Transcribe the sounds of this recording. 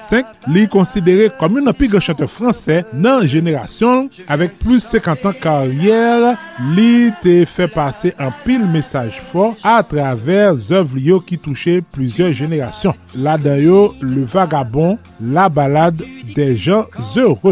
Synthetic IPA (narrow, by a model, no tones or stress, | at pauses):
sɛ̃k̚likɔ̃sid̪eʁekɔmɔ̃nãpilɡʁãʃɑ̃t̪œʁfʁɑ̃sɛnɐ̃ʒeneʁa̰sjɔ̃l | avɛk̚plysɛ̃kɑ̃t̪ɑ̃kaʁjɛʁ | lit̪efɛpaseʔɑ̃pilmesaʒfɔat̪ʁavɛʁzœvlijokit̪uʃeplyzjœʁʒeneʁa̰sjɔ̃ | lad̪ɑ̃joləvaɡabɔ̃ | labalad̪ːɛʒɑ̃zøʁø